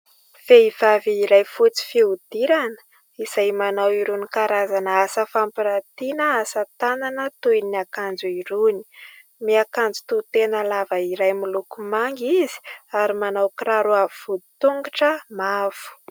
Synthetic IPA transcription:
v̥eiv̥aviiɾajfut͡si̥fiud̪̥iɾanə̥ | iz̥ajmanawiɾunikaɾazanəasəfampiɾat̪inəasət̪ananət̪ujiniakand͡zuiɾuni̥ | miakand͡zu̥t̪ut̪enəlavəiɾajmilukumaŋɡizi̥aɾimanawkiraɾuaviv̥ud̪it̪uŋɡaʈ͡ʂəmav̥u̥

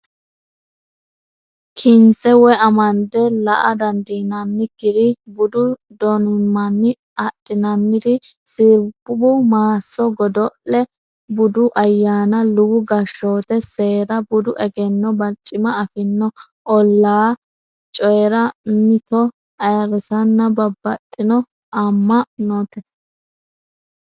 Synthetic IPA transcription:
kʰɪnsɛwɛɐmɐnd̪ɛlɐʔɐd̪ɐnd̪iːnɐnːɪkɪɾɪbʊd̪ʊ | d̪ɔnɪmːɐnːɪ | ɐɗʼːɪnɐnːɪd̪ɪsɪɾbʊbʊmaːsːɔɡɔd̪ɔʔɛ | bʊd̪ʊʔɐjːaːnɐlʊwʊɡɐʃːoːt̪ɛse̞ːɾɐbʊd̪ʊʔɛɡɛnːɔbɐt͡ʃʼːɪmɐɐfɪnːɔ | ɔlːaː | t͡ʃʼɔjɛɾɐmɪt̪ɔ | ɐjɐɾɪsɐnːɐbɐbːɐt̪ʼːɪnɔ | ʔɐmːɐnot̪ɛ

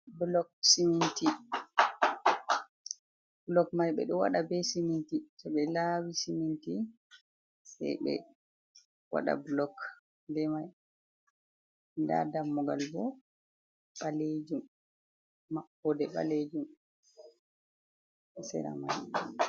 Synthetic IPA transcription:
blɔksiminti | blɔkmajɓɛ̰ɗɔwa̰ɗabɛsimintisɛɓɛlawisiminti | sɛ̰jɓɛ̰ | wa̰ɗa̰blɔk | dɛmaj | da̰damːuɡalbɔ | ɓaled͡ʒumː | aɓɔdɛɓa̰led͡ʒum | sɛ̰ɾa̰maj

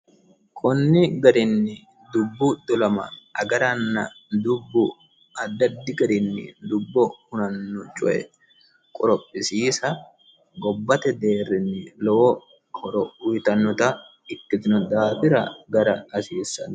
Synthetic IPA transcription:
kʰɔnːɪɡɐɾɪnːɪ | d̪ʊbːʊd̪ɔlɐmɐ̰ɐɡɐɾɐnːɐ̰ | d̪ʊbːʊ | ɐd̪ːɐd̪ːɪɡɐɾɪnːɪ̰d̪ʊbːɔhʊnɐnːʊt͡ʃʼʊ̰ʔɛ̰ | kʼɔɾɔpʼːɪsiːsɐ | ɡɔbːɐt̪ɛd̪e̞ːrːɪnːɪlɔ | hɔɾɔʊt̪ɐnːɔt̪ɐ | ɪt̪ːɪt̪ɪnɔd̪aːfɪɾɐɡɐɾɐːsiːsɐn

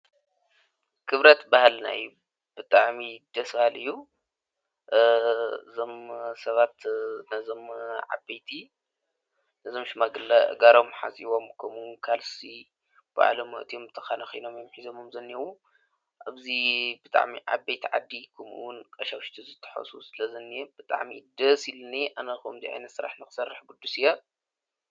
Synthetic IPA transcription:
kʰɨβɾɐt̪bahlna̰jːu | b̥ɨt̪ʼaʕmid̪̥ɐsfalɨjːu | ɨzo̞msɐβat̪nɐzo̞mʕa̰bejt̪ʰi | nɐzo̞mʃɪmaɡɨlːaʔɨ̰ɡaɾo̞mħa̰sʼiβo̞mkʰɐmukʰalsi | b̥a̰ʕlomːɐ̰ʔt̪ʰijomt̪ʰɐxanɐxojno̞mjomħizo̞momzɐnːiɐwu | ʔaβzibɨt̪ʼa̰ʕmiʕa̰βbejt̪ʰiʕa̰d̪ːikʰɐmʔṵwʊnkʼɐʃɐwʃt̪ʰizɨt̪ʰːɐ̥ħɐ̰susɨlɐzɐnːieb̥ɨt̪ʼa̰ʕmḭd̪ɐsilɨniʔanɐkomziʕa̰jnɐt̪sɨɾa̰ħnɨxɨ̥sɐrːɨħɡud̪ːusɨja

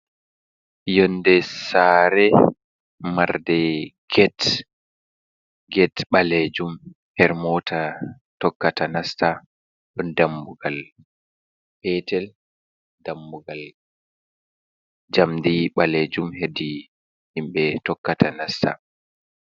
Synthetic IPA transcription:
jɔndɛsaːɾɛ | maɾdɛɡ̥ɛt | ɡɛtɓaled͡ʒum | hɛɾmɔtʰa | tɔkːatanasta | ɗɔndambuɡal | bɛtɛl | dambuɡal | d͡ʒamdiɓaled͡ʒumhedi | himɓɛtɔkːatanasta̰

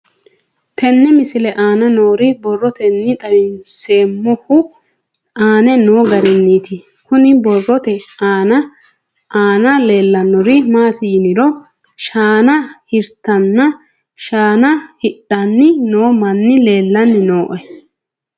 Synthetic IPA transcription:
t̪ʰɛnːɛmɪsɪlɛʔaːnɐnoːɾɪbɔrːɔt̪ɛnːɪt̪ʼɐɾɪnseːmːʊhʊ | aːnɛno̞ːɡɐɾɪnːiːt̪ɪ | kʊnɪbɔrːɔt̪ɛaːnɐ | aːnɐle̞ːlːɐnɔɾɪmaːt̪ɪjɪnɪɾɔ | ʃaːnɐhɪɾt̪ɐnːɐ | ʃaːnɐhɪᶑɐnːɪno̞ːmɐnːɪle̞ːlːɐnːɪno̞ːʔɛ

